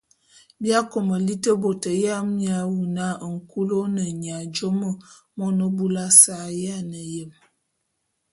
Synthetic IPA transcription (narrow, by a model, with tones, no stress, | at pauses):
bja˦ko˨mə˨li˦tə˦bo˨tə˨ja˦mja˨wu˨na˦˨ŋ̩˨ku˦lo˦nə˨ɲ˨a˨d͡ʒo˦mə˦˨ | mɔ˦nə˦bu˦la˦sa˨ja˦˨nə˨jə˨m